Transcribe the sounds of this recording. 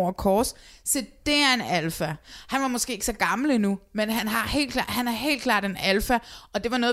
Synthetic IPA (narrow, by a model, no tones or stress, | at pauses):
ʊɐkʰɒːssid̥e̝æɐe̝nælfæhænʋɑ̈mɒ̽sɡ̥e̝ːɡ̥əsɒ̽ɡ̥ɑ̈ml̩inumenɦænɦɑ̈he̝̰ːlkʰlɑ̰̈ːhænæɐɦe̝̰ːlkʰlɑ̰̈ːd̥e̝nælfæɒ̽d̥e̝ʋɑ̈nɔ̽ːð